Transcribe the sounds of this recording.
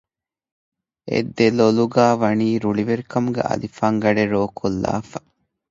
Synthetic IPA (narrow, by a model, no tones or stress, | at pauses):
ḛd̪ːeloluɡaːʋɐniːɾuɭiʋeɾikɐmuɡḛʔɐ̰lifaːŋɡɐɖeɾoːkʰolːa̰ːfɐ